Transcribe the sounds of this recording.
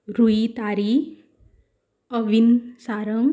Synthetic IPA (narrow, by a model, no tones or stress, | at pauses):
ɾuit̪aɾi | ʌʋinsaːɾəŋ